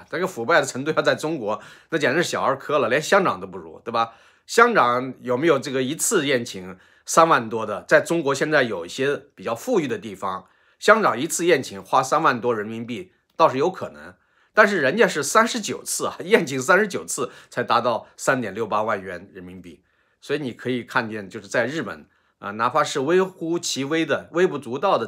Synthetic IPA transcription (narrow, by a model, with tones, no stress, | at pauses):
n˥˩˥ɡfu˨˩pa˥˩ɪd̪ə˩ʈ͡ʂʰɤ˧˥ŋt̪u˥˧jt͡sa˥˩ɪʈ͡ʂʊ˥ŋkwɔ˧˥na˥˩t͡ɕjɛ˥˩nə˧ʂɻ̩˥˩ɕjɑ˨˩ə˞˧˥kʰɤ˥lə˨ljɛ˧˥nɕjɑ˥ŋkɑ˨˩ŋt̪o˥ʊpu˥˩ɻṵ˧˥t̪we˥˩ɪbɐ˩ | ɕjɑ˥ŋkɑ˨˥˦ŋjo˨˩ʊme˧˥ɪjo˨˩ʊʈ͡ʂɤ˥˩ɡə˩i˧˥t͡sʰɹ̩˥˧jɛ˥˩nt͡ɕʰi˧˥ŋ | sa˥nwa˥˩nt̪wɔ˥d̪ə˨t͡sa˥˩ɪʈ͡ʂʊ˥ŋkwɔ˧˥ɕjɛ˥˧nt͡sa˥˩ɪjo˨˩ʊi˥˩ɕjɛ˥pi˨˩t͡ɕjɑ˥˧ʊfu˥˧y˥˩d̪ə˩t̪i˥˩fɑ˩ŋ | ɕjɑ˥ŋkɑ˨˩ŋi˧˥t͡sʰɹ̩˥˧jɛ˥˩nt͡ɕʰi˧˥ŋxwa˥sa˥nwa˥˩nt̪wɔ˥ɻə˧˥nmi˧˥npi˥˩ | t̪ɑ˥˧ʂɻ̩˧˥jo˧˥ʊkʰɤ̰˨˩nɤ̰˧˥ŋ | t̪a˥˧nʂ̬ɻ̩˥˩ɻə˧˥nt͡ɕjɛ˥˧nʂ̬ɻ̩˥˩sa˥nʂɻ̩˧˥t͡ɕjo˨˩ʊt͡sʰɹ̩˥˩ɐ̰˨˩jɛ˥˩nt͡ɕʰi˧˥ŋsa˥nʂɻ̩˧˥t͡ɕjo˨˩ʊt͡sʰɹ̩˥˩t͡sʰa˧˥ɪt̪a˧˥t̪ɑ˥˩ʊsa˥nt̪jɛ˨˩nljo˥˩ʊpa˥wa˥˩nɥɛ˧˥nɻə˧˥nmi˧˥npi˥˩ | swɔ˧˥i˧˥ni˨˩kʰɤ˧˥i˨˩kʰa˥˧nt͡ɕjɛ˥˧nt͡ɕjo˥˧ʊʂɻ̩˥˧˩t͡sa˥˧ɪɻ̩˥˩pə̰˨˩˦n | ə̰˧na˧˥pʰa˥ʂɻ̩˥˩we˥ɪxu˥t͡ɕʰi˧˥we˥ɪd̪ə˨we˥ɪpu˧˥˩t͡su˧˥t̪ɑ˥˩ʊd̪ə˩